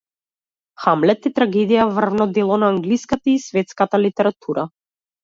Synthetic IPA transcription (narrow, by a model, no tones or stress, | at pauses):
xamlɛt̪it̪ɾaɡɛd̪ijavr̩vnɔd̪ɛlˠɔnaːŋɡliskat̪aisvɛt̪skat̪alit̪ɛɾat̪ʰuɾa